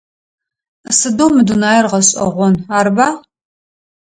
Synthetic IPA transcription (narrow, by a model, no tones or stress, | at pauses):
sɨdomːɨdunaːjɛrʁɐɕʼɐ̰ʁʷɔnaːɾbaː